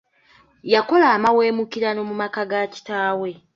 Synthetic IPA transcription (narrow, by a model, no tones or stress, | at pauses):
jako̞laːmawe̞ːmukiɾano̞mumakaɡaci̥taːwe̞